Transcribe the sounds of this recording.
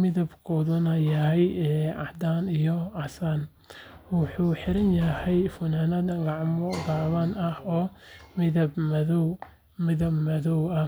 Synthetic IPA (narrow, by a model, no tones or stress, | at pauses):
mɪðɐbkʰɔːðʊnɐjɐɦɛjɛʕɑ̰d̪aːnijɔʕɑsan | wɑħuːħɪɾɐnjɐhɛjfʊnaːnɐd̪ɐɡɑʕmɔɡaːβɐnɐhɔːmɪðɐbmɐðɔw | mɪðɐbmɐðɔwɐ